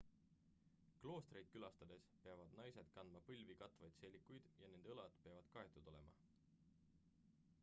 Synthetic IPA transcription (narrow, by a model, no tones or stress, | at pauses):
klo̞ːst̪rejd̪̚kylɑst̪ɑd̪̥e̞speɑvɑd̪̥nɑjse̞d̪̥kɑnd̪mɑpɯlʲvikɑt̪ˑvɑjd̪̥se̞lʲːikːˑujd̪̥jɑne̞nd̪eɤlɑd̪pe̞ɑvɑd̪̥kɑe̞t̪ˑud̪̥o̞le̞mɑ̰